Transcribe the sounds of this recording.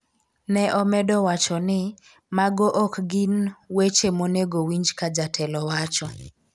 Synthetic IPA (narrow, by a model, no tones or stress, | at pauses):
nɛʔɔmɛdɔwat͡ʃɔnɪ | maɡoʔɔkɡɪnwet͡ʃemoneɡowiɲd͡ʒkad͡ʒatʰɛlɔwat͡ʃɔ